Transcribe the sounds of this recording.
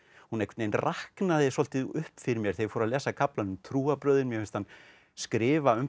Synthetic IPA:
hunejkʰvɛt̪nejnrʔahknaðɪsɔl̥t̪ɪʏhpfɪɾɪɾmjɛɾ̥θejfɔɾaðlɛːsakʰaplanʏmt̪ʰɾuːapɾœːðɪnmjɛfɛnst̪han | skɾɪːvaʏm

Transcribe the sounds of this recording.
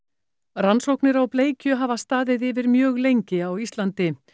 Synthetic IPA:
ransowknɪɾawpleːjcʏɦaːvast̪aːðɪðɪvɪɾmjœːɣlejɲcɪawist̪lant̪ɪ

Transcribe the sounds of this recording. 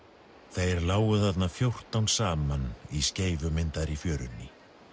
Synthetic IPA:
θejɛɾlaːwɣʏðat̪nafjowr̥t̪awnsaːmanisceːjvʏmɪnt̪aɾifjœːɾʏnːɪ

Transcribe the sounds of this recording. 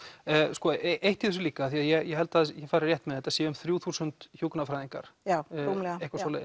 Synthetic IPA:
skɔʔeʔejht̪iðʏs̬ʏliːkaaθiaðjɛɣjɛɦɛlt̪aðjɛfaːɾɪɾrjɛht̪mɛðɛt̪asɛːaʏmθɾjuːθuːsʏnt̪çjuːknafɾajðiŋka̰ɾ̥auːmlɛehkvasɔːlɛð

